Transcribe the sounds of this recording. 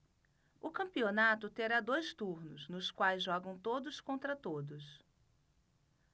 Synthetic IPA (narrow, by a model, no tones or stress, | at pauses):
ʊkɐ̃mpionat̪ʊt̪eɾad̪ojst̪uɾnʊznʊskwajzʒɔɡɐ̃w̃t̪od̪ʊskõnt̪ɾɐt̪od̪ʊs